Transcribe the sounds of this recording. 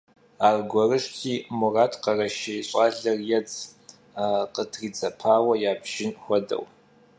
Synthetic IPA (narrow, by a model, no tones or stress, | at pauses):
aːrɡʷɔrɨʂtʰiːmʊraːtʰqɐrɐʃɐjɕʼaːɮɐrjɛd͡z | qətʰriːd͡zɐpʰaːwɐjaːbʒ̥ɪnxʷɔdɐ̰w